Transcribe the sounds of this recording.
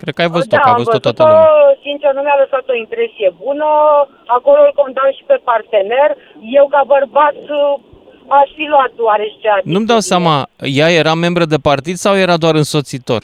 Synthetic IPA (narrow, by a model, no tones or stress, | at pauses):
kɾe̞d̪̚kəajvəzud̪t̪aajavəzvzt̪at̪osint͡ʃenumjaləsat̪o̞impɾe̞sije̞bunə | ako̞lolko̞nd̪anʃi̥pe̞part̪e̞ne̞r | jewkabərbat̪s | aʃfiluat̪oaɾe̞ʃt͡ʃeanumd̪awsamajaje̞ɾame̞mbɾəd̪e̞part̪id̪sawje̞ɾad̪oaɾɨnso̞t̪sit̪o̞̰r